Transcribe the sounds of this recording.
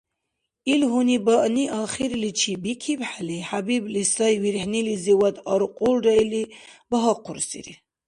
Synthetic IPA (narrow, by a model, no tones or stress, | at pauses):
ilɦunibaʔniʔaχiɾlit͡ʃʰibikʰibħaliħabiblisajwiɾħniliziwad̪aɾqʼulɾailibaɦaqʰʊɾsḭɾḭ